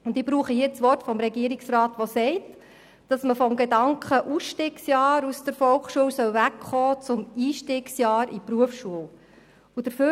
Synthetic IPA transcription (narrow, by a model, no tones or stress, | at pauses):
ʊndɪbɾuːχəhiːt͡sʋɔrtfɔmɾɛɡiəɾiksrɑːtʋɔsɛɪt | d̥ɑsməfɔmɡedɑŋkχəʔusʃtɪːksjɑːɾusd̥əɾfɔlkχʃuəwsœwvækχɔːt͡sʊmiːʃtɪːksjɑːɾipɾuəfʃuəw | ud̥əɾfø